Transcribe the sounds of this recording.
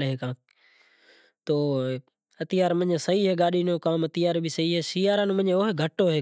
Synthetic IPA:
lɦeːkãː | t̪oː | ət̪ɪjaːɾmə̃ɲesəiːɦeːɠaːɗiːnoːkãːmət̪ɪjaːɾbisəiːɦeːsiːaːɾãːnːmə̃ɲeoːɦeɡʱəʈːoːɦeː

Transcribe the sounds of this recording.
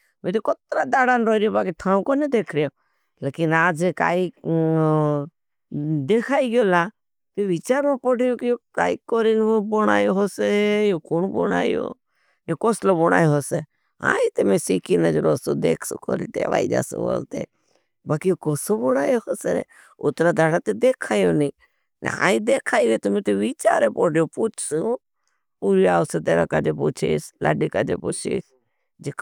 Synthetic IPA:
mẽt̪okot̪ɾad̪aːɽaːnɾoɾijobaːkiʈ̪ʰãːũkonjod̪eːkʰɾijo | leːkinaːd͡ʒeka̰ːi | d̪ekʰaːiɡjoːla | t̪oʋɪt͡ʃaːɾmãpɔɽijokijoka̰ːikoɾinbɔɽ̃a̰ːjoɦosejokonbɔ̰ɽa̰ːjo̰ː | jokosloboɽ̃a̰ːjoɦose | ã̰ːit̪əmẽsikinəd͡ʒɾoːsod̪eːkʰso̰ko̰ːɾiʈ̪ḛːʋa̰ːid͡ʒa̰ːsõ̰ʋo̰lt̪ḛ | baːkijokoːsoboɽ̃aːjohoːsenḛ | ʊt̪ɾad̪ʱaɽat̪ed̪eːkʰaːjoniː | n̰ã̰ːid̪eːkʰaːiʋet̪əmẽt̪eʋit͡ʃa̰ːɾepoɽjopuːt͡ʃʰsu | puːɾiaːoset̪eːʋa̰kaːd͡ʒeput͡ʃʰḛslʔa̰ːɖikaːd͡ʒepuːt͡ʃʰḛːs | d͡ʒek

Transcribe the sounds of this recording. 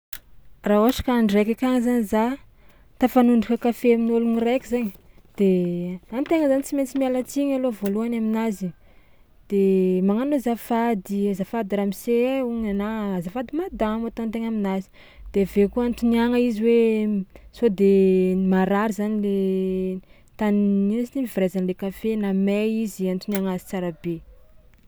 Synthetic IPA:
raoaʈ͡ʂḁkaaɳɖ͡ʐekakʲaŋzaniza | t̪afanuɳɖ͡ʐukakafeaminolunirekʲizaɲi | d̪̥eamt̪eŋəzanit͡siment͡simialat͡siɲalovoluanaminazi | d̪̥emaŋanozafad̪izafad̪iɾamiseuɲanazafad̪imad̪amat̪ont̪eŋaminazi̥ | d̪̥evekuant̪uniaŋəiziwe | sod̪emaɾaɾizanile | t̪anninsit̪imiviɾazanlekafenamɛiziant̪uniaŋazi̥t͡saɾabe

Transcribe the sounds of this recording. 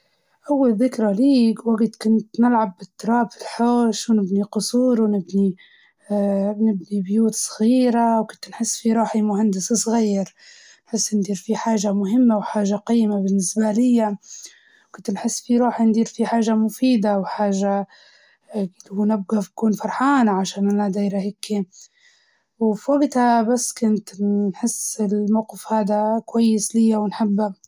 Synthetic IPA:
ʔawːalðɪkɾaliːwaɡt̪kʊnt̪nɪlʕabːɪt̪ːʊɾˤɑːbfɪlħoːʃunɪbniqʊsˤuːɾwnɪbni | nɪbnibjuːt̪sˤɣiːɾawkʊnt̪nħɪsːfiɾˤuːħimʊɦand̪ɪssˤɣiːɾ | nħɪsːnd̪iːɾfiħaːʒamʊɦɪmːawħaːʒaqɑjːmabɪnːɪsbalɪjːa | kʊnt̪nħɪsːfiɾˤuːħind̪iːɾfiħaːʒamʊfiːd̪awħaːʒa | lhunɪb̚ɡafkuːnfɑɾˤħaːnaʕaʃaːnʔalad̪aːɾahɪkʰːi | wfiwaɡt̪habasːkʊnt̪nħɪsːɪlmawqɪfhaːd̪akwajːɪslɪjːawɪnħabːa

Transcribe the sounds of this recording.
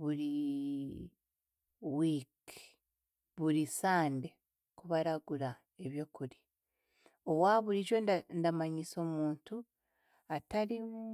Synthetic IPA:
βuɾi | wiːk | βuɾisaːnde̞ | kuβaɾaɡuɾa | e̞βjo̞kuɾi̥ | o̞βwaːβuɾiʒo̞nandamaɲiso̞ːmuːntu | ataɾimu

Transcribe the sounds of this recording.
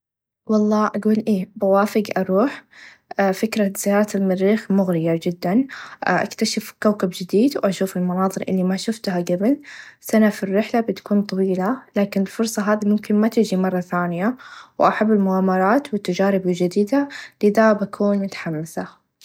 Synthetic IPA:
wɑlˤːɑːʔaɡuːlʔeːbawaːfɪɡʔɑɾˤuːħ | fɪkɾˤaz̥ɪjɑːɾˤɑt̪almɪɾːiːxmʊɣɾɪjad͡ʒɪd̪ːanʔʔa̰kt̪aʃafkawkabd͡ʒɪd̪iːd̪wʔaʃuːfɪlmanɑːðˤɨɾʔɪ̰lːimaʃʊft̪haɡabɪlsanafirːɪħlabɪt̪ḁkuːnt̪ˤɑwiːlalaːkɪnɪlfʊɾsˤɑɦaːðimʊmkɪnmat̪ɪd͡ʒimɑrˤːɑθaːnɪjawʔaħabːɪlmʊɣaːmːɑɾˤɑːt̪wɪt̪ːad͡ʒaːɾɪbɪd͡ʒɪd̪iːd̪alɪd̪abakʰuːnmʊt̪ḁħamːɪsa

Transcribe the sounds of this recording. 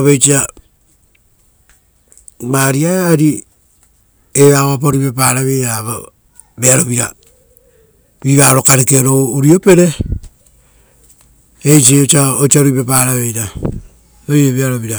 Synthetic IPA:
aβet͡ʃia | maɾiaaɾi | eβaβapaɾipepaɾaβejɾaβa | beaɾoβiɾa̰ | βiβaɾokaɾekeɾouɾiope̞ɾe | et͡ʃ̬ieot͡ʃaot͡ʃaɾuipepaːɾaβejɾa | ojeβeaɾoβiɾa

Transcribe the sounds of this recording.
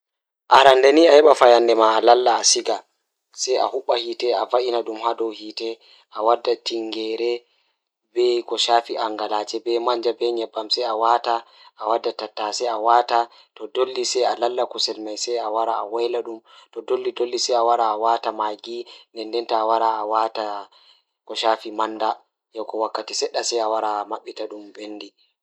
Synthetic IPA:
ʔaɾandaniahɛɓafajandɛmaːlalːaːsiɡa | sɛja̰huɓːahitɛavaʔinaɗumhadɔwhitɛ | ʔawadːatiŋɡɛɾɛ | bɛkɔʃafiʔaŋɡalat͡ʃɛbɛmaɲd͡ʒabɛɲɛbːamsɛjawata | ʔːwadːatatːasɛjawata | tɔdolːisɛalalːakusɛlmajsɛawaɾaawajlaɗumtɔdolːidolːisɛjawaɾaːwatamaɡinɛndɛntaːwaɾaːwata | kɔʃaːfimanda | jɔkɔwakːatisɛɗːasɛjawaɾamaɓːitaɗumbenːdi

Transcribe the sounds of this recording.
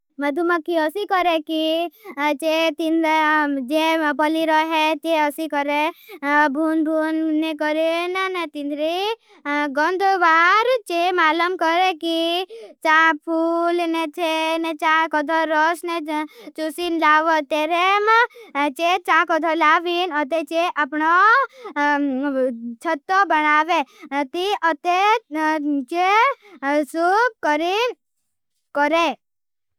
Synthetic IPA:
mɐd̪ʱuməkːiɔsikɔɾeki | t͡ʃet̪inɾed͡ʒepɔliɾɔɦet͡ʃeɔsikɔɾe | bʱunbʱunːekɔɾenanet̪ind̪ɾi | ɡɔnd̪oʋaːɾt͡ʃemaːləmkɔɾekit͡ʃãpʰulnet͡ʃenet͡ʃãkɔd̪ʰʱɔɾɔsnet͡ʃusinlaʋot̪eɾemãt͡ʃet͡ʃãkɔd̪ʰʱɔlaʋinət̪et͡ʃeʔapɳo | t͡ʃʰət̪ːobənaʋet̪iʔət̪e | t͡ʃe | sukəɾi | kəɾe

